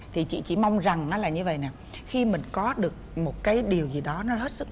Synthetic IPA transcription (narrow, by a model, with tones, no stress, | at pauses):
t̪ʰi˨˩t͡ɕḭ˧˨t͡ɕḭ˧˩ma˧wŋ͡mza˨˩ŋʔaː˨˦laː˨˩ɲɨ˧və̰˧˨jnɛː˨˩ | xi˧mï˨˩ŋ̟kɔ˨˦ɗɨ˨˩ək̚mo˨˩t̚kaː˨˦jɗi˨˩əwzi˨˩ɗɔ˨˦nɔ˨˦ɦe˦˥t̚sɨ˦˥k̚